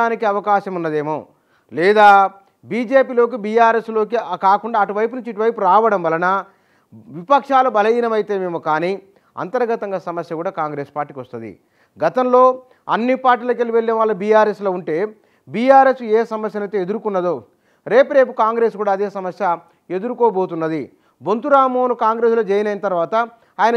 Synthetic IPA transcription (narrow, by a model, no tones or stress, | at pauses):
aːnikiɐʋɐkaːʃɐmunːɐd̪e̞ːmoː | lɛːd̪aː | biːd͡ʒe̞ːpiːlo̞ːkibiːjaːɾe̞slo̞ːkikaːkuɳɖaːɐʈuʋɐjp̬unuɲt͡ʃiʈuʋɐjpuɾaːʋɐɽɐmʋɐlɐnɐ | ʋipɐkʂaːlubɐlɐjiːnɐmɐjit̪e̞ːmeːmukaːni | ɐ̰nt̪ɐɾɐɡɐt̪ɐŋɡaːsɐmɐsjɐkuːɽaːkaːŋɡɾe̞ːspaːɾʈːiːkʋɐst̪und̪ḭ | ɡɐt̪ɐmlo̞ː | ɐnːipaːɾʈiːlɐkeliʋeɭːiʋaːɭːɐbijaːɾeːslo̞ːuɳʈe̞ː | biːjaːɾe̞ːseːsɐmɐsjɐnɐjt̪eːed̪uɾukunːɐd̪o | ɾe̞ːpɾe̞ːp̬ukaːŋɡɾe̞ːskuːɽaːd̪eːsɐmɐsjɐ | e̞d̪uɾukoːbo̞ːt̪̬unːɐd̪i | bo̞nt̪uɾaːmoːnukaːŋɡɾe̞ːslo̞ːd͡ʒeːjɐnɐjinɐt̪ɐɾʋaːt̪ɐ | aːjɐnɐ